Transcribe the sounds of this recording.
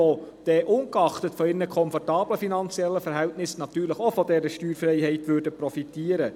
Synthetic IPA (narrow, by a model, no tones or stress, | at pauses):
od̥ɛːʔʊnkɑχtətfɔɪnəkʰɔnfɔrtɑːb̥ləfinɑnt͡siɛlːəfɛɾɦɛltnɪsnɑt̪yːɾləχofɔdɛɾəʃtyːɾfrɛɪhɛɪtʋøːɾdəpɾɔfitiːəɾə